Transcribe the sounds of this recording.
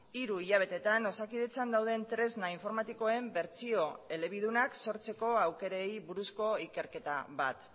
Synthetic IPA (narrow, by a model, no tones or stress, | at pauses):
iɾuiʎaβ̞e̞t̪e̞t̪ano̞sakiðe̞t͡sand̪awðe̞nt̪ɾe̞znaiɱfo̞ɾmat̪iko̞e̞mbe̞ɾt͡sio̞e̞le̞β̞iðunakso̞ɾt͡se̞ko̞awke̞ɾejβuɾusko̞ike̞ɾke̞t̪a̰βa̰t̪